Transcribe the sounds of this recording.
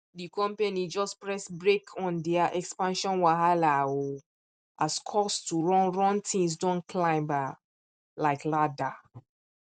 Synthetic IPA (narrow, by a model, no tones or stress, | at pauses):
dikʰɔ̃mpenid͡ʒɔspɹɛsbɹekʰɔ̃ndɛaʔɛkspãnʃɔ̃nwaɦalao | askʰɔstuɹɔ̃nɹɔ̃ntʰĩŋs̬dɔ̃nkʰlãɪ̃mba | laɪklada